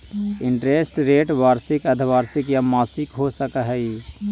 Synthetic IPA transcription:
ɪɳʈɾeːsʈɾeːʈʋaːɾsɪkəd̪ʱʋaːɾsɪkjamaːsɪkɦosəkəɦɛi

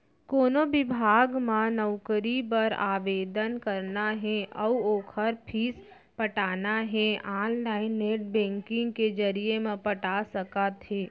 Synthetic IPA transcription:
koːnobɪbʱaːɡmãnəʊkəɾipəɾa̰ːʋeːd̪ənkəɾnaɦɛ̃ʔɔuoːkʰəɾpʰiːs | pəʈaːnaɦɛaːnlaːɪnːeːʈ̚bɛ̃ːŋkɪ̃ŋɡked͡ʒəɾijemẽpəʈasəkat̪ɦeː

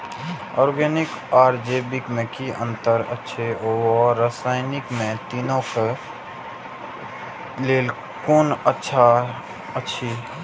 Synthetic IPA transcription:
ɔːɾɡeːnɪkaːɾd͡ʒeːbikmẽkiʔə̰̃nt̪əɾə̰tːʃʰeoɔːasaːɪnɪkmẽt̪iːnõke | leːl | koːnətːʃʰa | ətːʃʰi

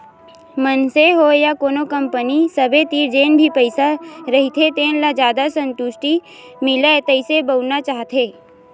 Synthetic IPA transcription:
mənseɦojakoːnokə̃mpənisəbet̪iːɾd͡ʒeːnbʱipəɪsaɾɐɦit̪ʰet̪eːnlad͡ʒjaːd̪asə̃nt̪ʊʃʈimɪlet̪əɪsebəʊnat͡ʃaːɦt̪eː

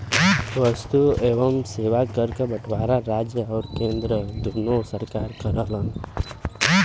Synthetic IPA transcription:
ʋəst̪ueːʋəmseːʋakəɾkebəʈʰʋaːɾaɾaːd͡ʒjəɔːɾkẽːnd̪ɾəd̪ʱunosəɾkaːɾkəɾələn

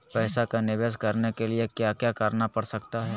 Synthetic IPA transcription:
pɛːsakanɪʋeːskɐɾnekeliekjaːkjaːkəɾnapɐɽsɐkt̪aɦɛː

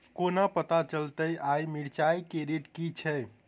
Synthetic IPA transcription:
konəpət̪at͡ʃəlt̪əjʔajmiɽt͡ʃajkeɾiʈkit͡ʃʰɛ

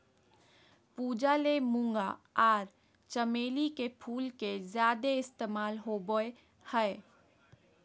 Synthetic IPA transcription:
puːd͡ʒalemũŋɡaaːɾ | t͡ʃəmeːlikepʰuːlkezjaːd̪eɪst̪eːmaːlɦoboe | hɛe

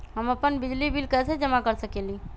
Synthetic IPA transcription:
ɦəməpənbid͡ʒlibʱilkəsed͡ʒəmakəɾsəkeli

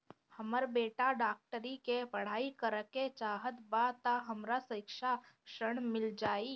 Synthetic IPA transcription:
həməɾbeːʈaɖaːk̚ʈəɾikepəɽ̤aːikəɾket͡ʃaːɦət̪bat̪aɦəmɾasəɪkʃakʃəɽ̃mɪld͡ʒaːiː

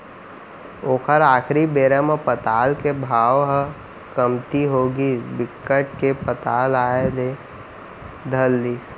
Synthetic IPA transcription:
oːkʰəɾaːkʰɾibeːɾəmãpət̪aːlkebʱaːʋɦə | kəmt̪iɦoːɡisbɪkːəʈ̚kepət̪aːlaːele | d̪ʱəlːiːs

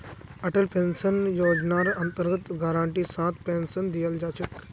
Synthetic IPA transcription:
ɐʈəlpẽnsənjoːd͡ʒnaɾɐnt̪əɾɡət̪ɡaɾãːɳʈiːsãːt̪pensənd̪ijəld͡ʒaːt͡ʃək

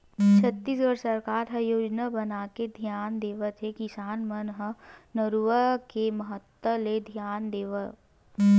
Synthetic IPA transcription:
t͡ʃʰət̪ːiːsɡəɽsəɾkaːɾɦɐjoːd͡ʒnabɐnaːked̪ʱjaːnd̪eːʋət̪ɦekɪsaːnmənɦənəɾuʋəkemɐɦət̪wəled̪ʱijaːnd̪eːʋə

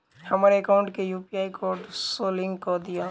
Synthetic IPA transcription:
həmɾeekaʊ̃ɳʈkejupijaːikoɾɖsoːlɪ̃ŋɡkɔd̪ija

